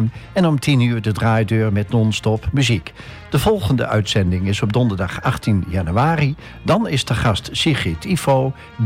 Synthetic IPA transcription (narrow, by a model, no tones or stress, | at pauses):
nɛnɔmtʰinyːɹdədraːjdøːɹmɛtnɔnstɔpmyzik | d̥əvɔlˠɣəndə̰ʔœ̰ɥtsɛndɪŋɪsɔb̚dɔndəɹdɑχaχtinjanyaːri | dɑnɪsdəχɑstsiχitʰifoː